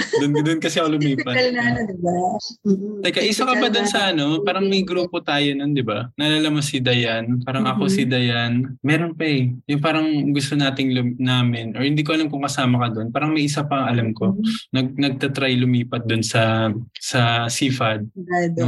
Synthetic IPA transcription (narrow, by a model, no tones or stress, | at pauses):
d̪ʊnkɐd̪onkɐsɛkolʊmiːpɐɐnaɐd̪ɪba | t̪ɐkɐʔiːsɐkɐdbad̪onsɐʔɐno̞paːɾɐŋmɐjɡɾuːpot̪aːjonond̪ɪbanɐlalɐmɐsɪd̪ɐjanpaːɾɐŋʔɐko̞sɪd̪ɐjanmɛːɾonpɐjʊŋpaːɾɐŋɡʊst̪onaːt̪ɪŋlʊmnaːmɪnʔɔɹhɪnd̪iːk̬oʔɐlamkʊŋkɐsaːmɐkɐd̪onpaːɾɐŋmɐjʔɪs̬apɐŋɐlamko̞nɐɡ̚nɐɡ̚t̪ɐt̪ɾajlʊmiːpɐt̪̚d̪onsɐsɐsiːfɐd̪̚d̪no